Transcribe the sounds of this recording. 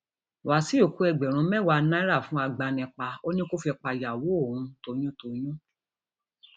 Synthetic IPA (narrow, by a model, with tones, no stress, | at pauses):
wa˨˦si˦o˦˨ku˨˦ɛ˧˨ɡ͡bɛ˨ɾ̃ũ˨˦mɛ˦˨wa˧˦nã˦ɾa˦˨fũ˦a˧ɡ͡ba˧nɛ̃˨˧˨k͡pa˧o˦nĩ˦ko˦fi˧k͡pa˧˨ja˨wo˨˦o˦˨ũ˨˧to˧j̃ũ˦to˧j̃ũ˦